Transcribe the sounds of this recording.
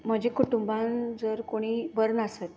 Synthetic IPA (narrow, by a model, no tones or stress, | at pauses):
m̤əd͡ʑekuʈumband͡zəɾkoɽ̃iːbəɾnəsət̪̚